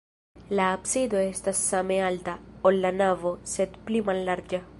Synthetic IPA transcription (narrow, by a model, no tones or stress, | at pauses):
laːpsid̪oest̪asamealt̪aolːanavoset̪plimalːaɾd͡ʒa